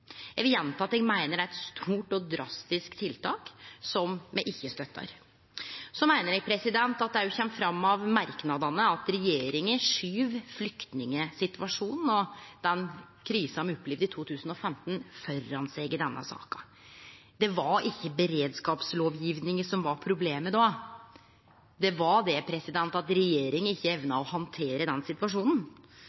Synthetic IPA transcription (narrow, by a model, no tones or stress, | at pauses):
jæʋɪljɛnt̪ʰɑːɑt̪ɛɡmæɪnəɾæt̪st̪ʰuːʈɔd̪ɾɑst̪ɪskt̪ʰɪlt̪ʰɑːksɔmmɛʔɪçːəst̪œt̪ʰːɑ̰ɾ | sɔmæɪnəɾɛɡ̚pʰɾɛsɪd̪ɛnt̪ɑt̪̚d̪ɛhæɾjʊçɛmːfɾɑmːɑʋmɑɾknɑd̪ɑnəɑt̪ɾɛjeːɾɪŋəʂyːʋflʏkt̪nɪŋəsɪt̪ʋɑʂuːnn̩ɔd̪̥ɛn | kʰɾiːshɑmɔpːliʋd̪ɪt̪ʰuːt̪ʰʉːsn̩ɔfɛmt̪n̩fɔɾːɑnsɛɪɡɪd̪ɛnːə̰sɑ̰ːkɑ̥ | d̪ɛʋɑʔɪçːəbɛɾeːd̪skɑːpsloːʋjiʋnɪŋəsɔmʋɑɾpʰɾʊbleːməd̪ɑː | d̪ɛʋɑɖ̪ɛpʰɾɛsɪd̪ɛnt̪ɑt̪ɾɛjeːɾɪŋəɪçːəɛʋnɑɔhɑnt̪ʰeːɾəd̪ɛnsɪt̪ʋɑʂuːnn̩